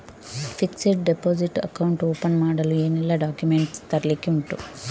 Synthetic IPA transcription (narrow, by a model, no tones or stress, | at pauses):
pʰikseʈ̚ɖepoːd͡ʒiʈɐ̰kɐwuɳʈoːpɐnmaːɽɐlueːnilːaɖaːkjumeɳʈst̪ɐɾlikiuɳʈu